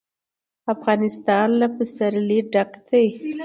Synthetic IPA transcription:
afɣɑnɪst̪ɑnlapəsaɾliɖakt̪aj

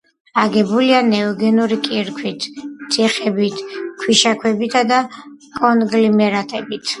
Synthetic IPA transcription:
aɡɛbulianɛɔɡɛnuɾikʼiɾkʰwit̪ʰsʰʼiχɛbit̪ʰkʰwiʃakʰwɛbit̪ʰad̪akʼɔnɡlimɛɾat̪ʼɛbit̪ʰ

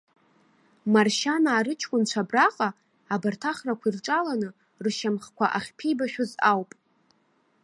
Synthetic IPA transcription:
marʃanaːɾɨt͡ʃʰkʷʼʊnt͡ʃʷʰabraqʼaː | bartʰaχrakʷʰairʈ͡ʂʼalanɨ | rʃamχkʷʰa̰ʔaχʲpʰijbaʃᶣʊzawpʼ

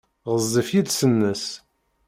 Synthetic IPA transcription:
ʁəzˤːifjid̪sənːəs

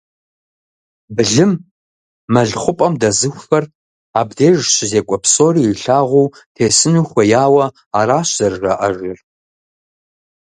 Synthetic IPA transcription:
bɨɮɨmː | ɐɮχʷʊpʼɐmdɐzɨxʷːɐr | aːbdeːʒɕɪzeːkʷʼɔpsʼoːɾiːiɬaːʁʷuː | tʰeːsɨnuxʷɐjaːwɐ | aːɾaːɕzɐrːɐʔɐʒɪr

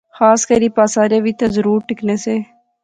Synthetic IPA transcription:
xaːskəɾiːpaːsaːɾeːʋiːt̪azəɾuːɾʈɪkneːseː

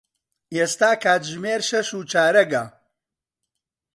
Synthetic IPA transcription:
eːst̪aːkʰaːt̪ʒmeːɾʃɐʃuːt͡ʃaːɾɐɡɐ

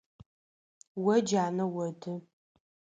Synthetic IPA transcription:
wɐd͡ʒaːnɐwɐdɨ

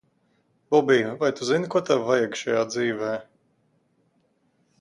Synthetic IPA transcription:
bɔbiːvajt̪uzinkuɔt̪ɛvvajɛɡʃajaːd̪ziːvɛː

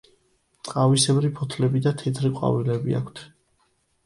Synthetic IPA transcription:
t̪sʼqʼavisɛbɾipʰɔt̪ʰlɛbid̪at̪ʰɛt̪ʰɾiqʼwa̰vilɛbia̰kʷʰt̪ʰ

